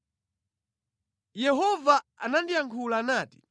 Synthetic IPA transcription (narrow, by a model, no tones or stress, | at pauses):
jɛɦɔvaa̰nandijaŋkʰulaːnaːti̥